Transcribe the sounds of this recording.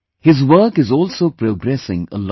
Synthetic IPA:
hɪzʋəːkɪzɔːlsoːpɾoːɡɾɛsɪ̰̃ŋə̰l

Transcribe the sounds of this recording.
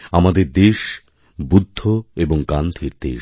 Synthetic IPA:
amad̪eɾd̪eʃ | bud̪ʱːoeboŋkand̪ʱʰiɾd̪ḛ

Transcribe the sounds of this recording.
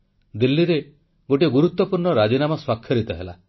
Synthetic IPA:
d̪ilːiɾe | ɡoʈiɡuɾut̪ːɔpuɾɳɔɾad͡ʒinamɔswakʰːjɔɾit̪ɔɦela

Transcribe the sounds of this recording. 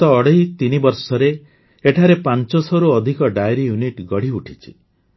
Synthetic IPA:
ɔːɽejt̪inibɔɾsɔɾe | eʈʰaɾepant͡ʃɔsɔɾuɔd̪ʱikɔɖajɾijuniʈɡɔɽ̤iuʈʰit͡ʃʰi̥

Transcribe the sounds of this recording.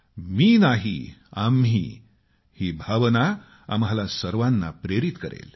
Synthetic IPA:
miːnaɦiamɦḭː | hiːbʱaʋna | a̰mɦalasəɾʋanːa̰pɾeɾit̪kəɾḛl

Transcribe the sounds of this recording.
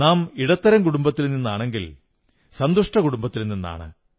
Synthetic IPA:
naːmiɽɐt̪ːɐɾɐŋkuɽumbɐt̪ːilninːaːɳe̞ŋɡil | sɐnd̪uʂʈɐkuɽumbɐt̪ːilnːinːa̰ːɳɨ̰

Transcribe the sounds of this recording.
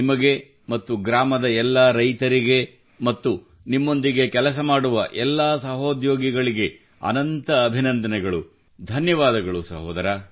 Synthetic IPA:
nimɐɡe̞ | mɐt̪ːuɡɾaːmɐd̪ɐɛlːɐɾɐjt̪ɐɾiɡe̞ | mɐt̪ːu | nimːo̞nd̪iɡe̞kɛlɐs̬ɐmaːɽuʋɐʔɛlːaːsɐɦoːd̪joːɡiɡɐɭiɡe̞ | ɐ̰nɐnt̪ɐːbʱinɐnd̪ɐnɛɡɐɭu | d̪ʱɐnjɐʋaːd̪ɐɡɐɭusɐɦɔːd̪ɐɾaː

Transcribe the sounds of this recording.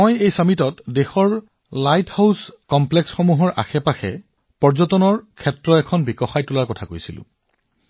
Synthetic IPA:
mojejsamitɔtdexɔɹ | lajthawskɔmplɛksxɔmuɦɔɹa̰xɛpaxʰɛ̰ | pɔɹzɔtɔnɔɹkʰɛtɹɔɛkʰɔnbikɔxajtulaɹkɔtʰakojsilʊ̰̃

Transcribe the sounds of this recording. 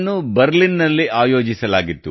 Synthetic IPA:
nːubɐɾlinːɐlːiʔaːjo̞ːd͡ʒisɐlaːɡit̪ːu

